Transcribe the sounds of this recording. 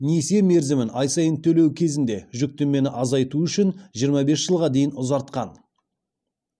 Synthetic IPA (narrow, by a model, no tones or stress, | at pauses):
nese̞me̞ɾzɪmɪnɑjsɑjənt̪ʰɵle̞wkʲʰe̞zɪnd̪e̞ʒʏk̚t̪emme̞nɪʔɑzɑjt̪uʏʃɪnʒijəɾmɑbe̞sʒ̥əlˠʁɑd̪e̞jɪnʊzɑɾt̪qɑn